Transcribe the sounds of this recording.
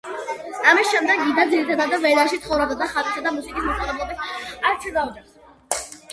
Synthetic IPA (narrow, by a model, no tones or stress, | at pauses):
amisʃɛmd̪ɛɡːid̪ad̪ziɾit̪ʰad̪ad̪avɛlaʃit̪ʰχɔvɾabd̪ad̪aχat̪ʼsad̪amusikʼismɔsalɛblˠɔbisaɾt͡ʃ̪ʰɛɡ̪avd͡ʒɛs